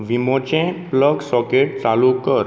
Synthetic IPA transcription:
ʋimõt͡ɕẽpləɡsɔkeʈ̚t͡salukəɾ

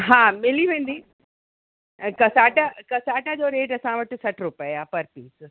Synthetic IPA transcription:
ɦãːmɪliʋẽːn̆d̪iː | kɐsaːʈakɐsaːʈad͡ʑoːɾeːʈɐsãʋɐʈ̆sɐʈɾʊpeaːpɐɾpiːs

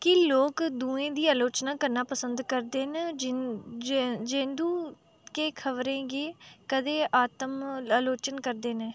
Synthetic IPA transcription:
kɪloːkd̪uːẽːd̪iːaːloːt͡ʃnãːkəɾnãːpəsənd̪kəɾd̪eːn | d͡ʒẽːnd̪ũː | keːkʰəʋɾẽːɡeːkəd̪eːʔaːt̪əmaːloːt͡ʃənkəɾd̪eːneː

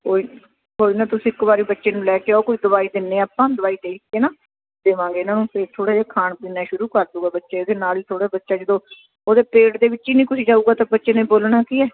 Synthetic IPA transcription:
koːi | koːiːnãːt̪ʊsĩːɪkːbaːɾiːbətːʃeːnũːlɛːkeːaoːkoːiːd̪əʋaːiːd̪ɪnːẽːaːpãːd̪əʋaːiːd̪eːkkeːnaː | d̪eːʋãːɡeːɪnãːnũːpʰɪɾt̪ʰoːɽeːd͡ʒaːkʰaːɳpiːnaːʃʊɾuːkəɾd̪uːɡaːbətːʃeːeːd̪eːnaːliːt̪ʰoːɽeːbətːʃaːd͡ʒəd̪õː | oːd̪eːpeːɽd̪eːʋɪt͡ʃːiːnĩːkʊsiːd͡ʒaːuːɡaːt̪ãːbətːʃeːnẽːboːlɳaːkiːɛː

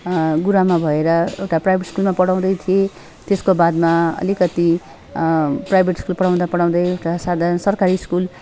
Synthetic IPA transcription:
ɡuɾamabʱʌeɾʌḛwʈaprajbʱeʈskulmapʌɽaw̃d̪ʌjt̪ʰije | t̪eskobad̪maʌ̰likʌt̪i | prajbʱeʈskulpʌɽaw̃d̪apʌɽaw̃d̪ʌjewʈasad̪ʱansʌrkaɾiskul

